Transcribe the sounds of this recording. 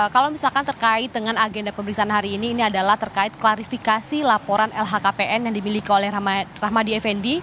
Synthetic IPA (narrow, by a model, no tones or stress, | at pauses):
kalawmisalkant̪ərkaɪt̪̚dəŋanaɡendapəmbəɾiksaːnɦaɾiːniːniadalaht̪ərkaɪt̪̚klaɾifikasilapoɾanɛlɦakapeʔɛnjaŋdimilikiolɛhraɦmadiɛfɛndi